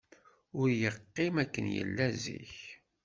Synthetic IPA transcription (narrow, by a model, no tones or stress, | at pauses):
ʊɾjəqːɪmækːənjə̰lːæzḭç